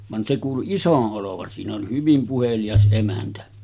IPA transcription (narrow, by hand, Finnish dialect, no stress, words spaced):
ʋɑn se kuːlu isoʔ ʔoloʋɑn siːn oli hyʋim puhelijɑs ʔemæntæ